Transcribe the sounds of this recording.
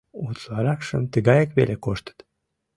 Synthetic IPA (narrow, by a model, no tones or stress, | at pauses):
ut̪lɑɾɑkʃəmt̪əɣɑjəkβelekoʃt̪ə̥t̪